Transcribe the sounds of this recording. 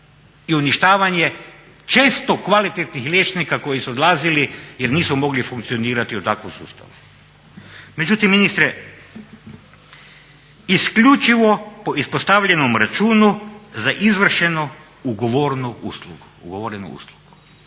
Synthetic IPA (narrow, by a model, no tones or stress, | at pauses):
iuniʃt̪aːʋaɲje̞ | t͡ʃeːst̪okʋalit̪et̪nixlʲjet͡ʃnikako̞jisuod̪lˠaːzilijeɾniːsumo̞ɡlifuŋk̚t̪sioniːɾat̪iut̪akʋomsṵːst̪a̰ʋu | me̞d͡ʒut̪imːinist̪ɾe | iskʎut͡ʃiʋo̞po̞ʔispost̪aʋʎenomɾat͡ʃuːnuzaʔizʋr̩ʃeno | uɡoʋoːɾnuṵːsluɡuuɡoʋoːɾenṵṵːslˠuɡ̥u̥